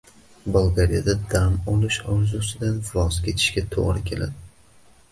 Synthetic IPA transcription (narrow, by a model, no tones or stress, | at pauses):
balˠɡaɾijad̪ad̪amɒlˠɪʃɒwzʊsɪd̪anvɒzkʲʰe̞t̪ʰɪ̥ʃkʲat̪ʰo̰ʁɾɪkʲʰe̞la̰d̪ɪ